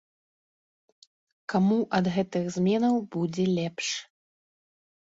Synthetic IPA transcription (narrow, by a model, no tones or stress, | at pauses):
kamuʔɐd̪ɣɛt̪ɨɣzʲmʲɛnɐwbud͡zʲɛlʲɛpʂ